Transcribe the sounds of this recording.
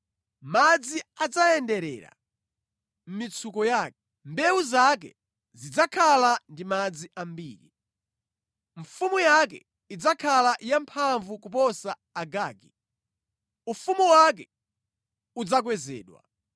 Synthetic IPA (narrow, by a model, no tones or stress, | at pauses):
mad͡ziad͡zaɛndɛɾɛ̰ɾa̰ | m̩mit͡sʰukɔjaːkɛ | mbɛwuzak̬ɛ̰ | zid͡zakʰalandimad͡ziʔambiːɾḭ | ɱfumujak̬ɛ̰ | id͡zakʰalajampʰaɱvukupɔsaːɡaːɡi | ufumuwak̬ɛ | ud͡zak̬wɛzɛ̰ːɗwa̰